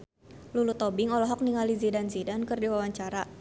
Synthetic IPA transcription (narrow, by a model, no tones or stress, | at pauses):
lulut̪ɔbɪŋɔlɔɦɔk̚niŋalizidanzidankɨrdiwawaɲt͡ʃaɾa